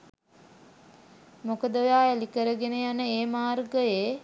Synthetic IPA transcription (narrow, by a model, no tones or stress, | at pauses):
mokəd̪əjaːælikəɾəɡenejanəeːmaːrɡəjeː